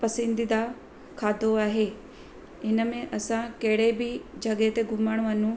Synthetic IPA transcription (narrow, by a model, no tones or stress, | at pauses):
pɐsə̃nd̪id̪a | kʰaːd̪ʱoaːɦeː | ɪnəmẽʔɐsãkeɦɽebɪd͡ʑɐɡet̪eɡʱʊməɽ̃ʋɐnũ